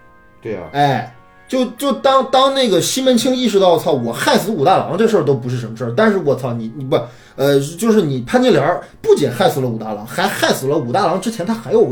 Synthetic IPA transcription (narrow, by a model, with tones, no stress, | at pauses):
t̪we˥˩ɛ˥˩ɪ | t͡ɕjo˥˩ʊt͡ɕjo˥˩ʊt̪ɑ˥ŋt̪ɑ˥ŋne˥˩ɡə˩ɕi˥mə˧˥nt͡ɕʰi˥ŋi˥˩ʂɻ̩˥˧t̪ɑ˥˧ʊt͡sʰɑ˥˩ʊwɔ˨˩xa˥˩ɪsɹ̩˧˥u˨˩t̪a˥˩lɑ̰˧˥ŋʈ͡ʂɤ˥˧ʂ̬t̪o˥ʊp̬u˧˥ʂɻ̩˥˩ʂə˧˥nmə˧ʂə˥˩t̪a˥˧nʂɻ̩˥˩wɔ˨˩t͡sʰɑ˥˩ni˨˩ni˧˥a˧ | ə˧t͡ɕjo˥˧ʊʂɻ̩˥˩ni˨˩pʰa˥˧nt͡ɕi˥˩ljɑ˧˥ | pu˥˩t͡ɕi˨˩nxa˥˩ɪsɹ̩˨˩lə˧u˨˩t̪a̰˥˩lɑ˧˥ŋxa˧˥ɪxa˥˩ɪsɹ̩˨˩lə˦u˨˩t̪a˥˩lɑ˧˥ŋʈ͡ʂɻ̩˥t͡ɕʰɛ˧˥nt̪ʰa˥xa˧˥ɪjo˨˩ʊ